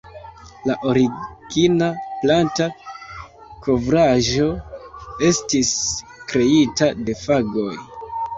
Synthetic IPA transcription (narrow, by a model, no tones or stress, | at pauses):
laʔo̞ɾiɡ̥inaplanta | kʰo̞vɾaʒo̞ | e̞stis | kɾe̞itade̞faɡo̞j